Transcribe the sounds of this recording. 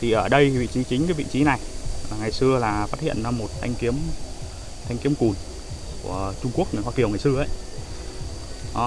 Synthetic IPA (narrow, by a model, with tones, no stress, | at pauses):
t̪ʰi˨˩ʔəː˧˩ɗə˧jvḭ˧˨t͡ɕi˨˦t͡ɕï˨˦ŋ̟kaː˨˦vḭ˧˨t͡ɕi˨˦na˨˩jlaː˨˩ŋa˨˩jsɨ˧əlaː˨˩faː˦˥t̚hḭ˧˨ənaː˧mo˨˩t̚t̪ʰa˧jŋ̟ki˨˦əm | t̪ʰa˧jŋ̟ki˨˦əmku˨˩n | ku˧˩ət͡ɕʊ˧ŋ͡mku˦˥ək̚n˨˩ŋhwaː˧ki˨˩əwŋa˨˩jsɨ˧əʔə̰˧˦j